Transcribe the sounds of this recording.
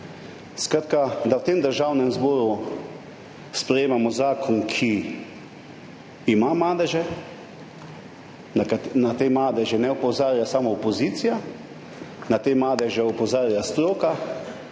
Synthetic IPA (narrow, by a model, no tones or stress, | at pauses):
skɾat̪kad̪awt̪emd̪əɾʒawnɛmzbɔːɾu | spɾɛjeːmamɔzaːkʰɔnkʰi | imamaːd̪ɛʒɛ | nat̪eːmaːd̪ɛʒɛnɛɔpɔzaːɾjasamɔːpɔziːt̪sija | nat̪eːmaːd̪ɛʒɛɔpɔzaːɾjast̪ɾoːka